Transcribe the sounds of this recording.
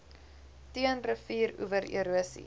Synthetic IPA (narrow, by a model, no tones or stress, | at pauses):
tiənrəfiːɾṵvəɾḭɾuəsḭ